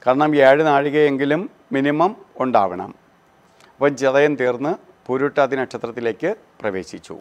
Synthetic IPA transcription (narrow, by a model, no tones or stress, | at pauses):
kaːɾɐɳɐmeːɻɨnaːɻiɣɐje̞ŋɡilumː | inimɐmuɳɖaːʋɐɳɐ̰m | pɐd͡ʑeðɐjɐnt̪iːrnːɨ | puɾuʈːaːt̪ːinɐkɕʰɐt̪rɐt̪ːile̞ːkːɨ | prɐʋe̞̰ːɕit͡ɕːṵ